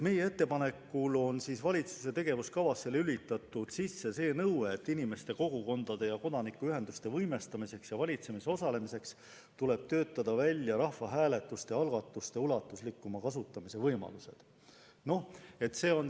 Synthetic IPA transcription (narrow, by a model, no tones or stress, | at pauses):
me̞jee̞t̪ːe̞pɑne̞kːulo̞nsisvɑlʲit̪su̥se̞t̪e̞ɡ̥e̞vuskɑvɑsːe̞lylit̪ːˑɑt̪ːˑud̪̥sisːe̞se̞ːnɤweːt̪ːinime̞st̪e̞ko̞ɡ̥uko̞nd̪̥ɑd̪̥e̞jɑko̞d̪̥ɑnikːuyɦe̞nd̪̥ust̪e̞vɤjme̞st̪ɑmise̞ksjɑvɑlʲit̪se̞miseo̞sɑle̞mise̞ks | t̪ule̞b̥̚t̪ø̞ːt̪ːˑɑd̪̥ɑvælʲːjɑɾɑhvɑɦæːle̞t̪ːˑust̪eɑlɡ̥ɑt̪ːˑust̪e̞ulɑt̪ːˑuslikːumɑkɑsut̪ːˑɑmise̞vɤjmɑ̰luse̞̰d̪̥ | no̞e̞t̪ːse̞ːo̞n